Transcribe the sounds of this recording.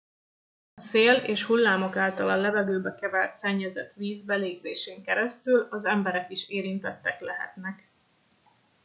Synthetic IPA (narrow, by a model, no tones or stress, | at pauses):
ɒseːleːʃhulːaːmo̞kaːlt̪ɒlɒnlːɛvɛɡøːbɛkɛvɛlt̪sɛɲːɛzɛt̪ʋiːzbɛleːɡzeːʃeːŋkɛɾɛst̪ylɒzɛmbɛɾɛkiʃeːɾint̪ɛt̪ːɛklɛɦɛ̰t̪nɛk